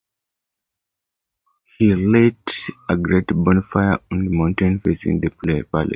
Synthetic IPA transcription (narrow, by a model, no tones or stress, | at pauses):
hiledəɡɹetbɔ̃nfaɪəɔ̃nðəmãʊ̃ntẽnfesḭ̃ŋðəpʰlepalḭs